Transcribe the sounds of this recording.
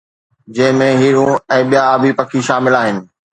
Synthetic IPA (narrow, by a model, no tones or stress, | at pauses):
d͡ʑɐ̃ɦɪ̃mẽɦiːɾũɛ̃ːɓijaːbipɐkʰiʃaːmɪlaːɦɪnɪ̆